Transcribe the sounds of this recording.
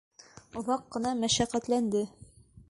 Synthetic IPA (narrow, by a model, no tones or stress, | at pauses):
ŏðɑqːɤ̆nɑmæʃæqæt̪lænd̪ɘ